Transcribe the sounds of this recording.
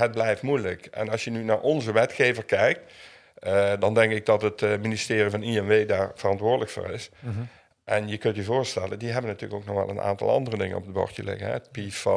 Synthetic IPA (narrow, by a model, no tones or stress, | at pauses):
ɦəd̚blɛjftmujləkɛ̰nɑsjənynaːɹʔɔnzəʋɛtxeːvəɹkɛjk̚t | dɑndɛŋkɪɡ̚dɑtətministɪːrivɑniɛnʋejdaːɹv̥ərɑntʋʊːɹdələkfʊ̰ːɹɪs | ʔɛnjəkɵntyvoːɹstɛləndiɦɛbənatyːləkowk̚nɔxʋɛ̰lˠə̰na̰ːntɑ̰lˠɑ̰ndərədɪŋənɔ̰p̚dəbɔ̰ɹtəlɪ̰ɣənɦɛətpif